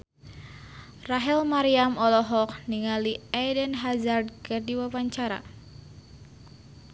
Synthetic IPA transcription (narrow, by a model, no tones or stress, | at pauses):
raɦɛlmaɾiamɔlɔɦɔkniŋaliadənɦazard̚kərdiwawaɲt͡ʃaɾa̰